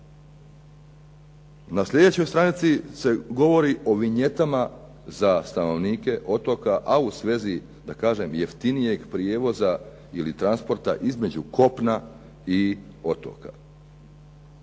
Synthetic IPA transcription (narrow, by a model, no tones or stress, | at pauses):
nasʎʲe̞d̪e̞t͡ɕo̞jst̪ɾanit̪sise̞ɡo̞ʋo̞ɾiʔo̞ʋiɲe̞t̪ama | zast̪ano̞ʋniːke̞ʔo̞t̪o̞kaʔausʋe̞zi | d̪akaːʒe̞mjeft̪inije̞ɡpɾije̞ːʋo̞za | ilit̪ɾanspo̞ɾt̪a̰ʔizme̞d͡ʑuko̞pna | i | o̞t̪o̰ka̰